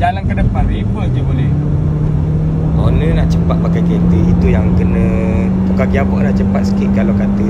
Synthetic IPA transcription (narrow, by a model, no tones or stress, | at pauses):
d͡ʒalankadəpaʔ̪ɾibəʔ̪̚d͡ʒəbolɛh | onə̃naʔt͡ʃəpat̪̚makajket̪əit̪ujaŋkənə̃ | t̪ukakiabɔʔnaʔt͡ʃəpat̪̚sə̥kiʔkalawkat̪ə